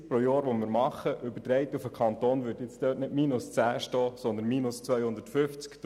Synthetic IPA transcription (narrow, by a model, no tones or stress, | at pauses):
pɾojɔːɾʋomɪːɾmɑχəʔʏbət̪ɾɛɪt̪ufəkʰɑnt̪oːnʋʏːɾtjɪt͡sd̥̪øːtnɪdmiːnʊst͡sæːʃtɔːsɔnd̪ənmiːnʊst͡sʋœjhʊnd̪ətfʏft͡skt